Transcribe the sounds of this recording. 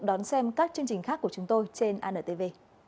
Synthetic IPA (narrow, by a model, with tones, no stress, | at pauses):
ɗɔ˨˦nsɛ˧mkaː˦˥k̚t͡ɕɨ˧əŋt͡ɕï˨˩ŋ̟xaː˦˥kːu˧˩ət͡ɕʊ˨˦ŋ͡mt̪o˧jt͡ɕe˧nʔaː˧nəː˧˩t̪e˧˩ve˧